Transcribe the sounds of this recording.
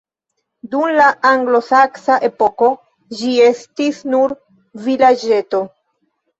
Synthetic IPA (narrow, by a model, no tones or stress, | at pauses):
dumlaaŋɡlo̞saksaʔe̞po̞ko̞ | d͡ʒie̞stisnuɾ | vilad͡ʒe̞to̞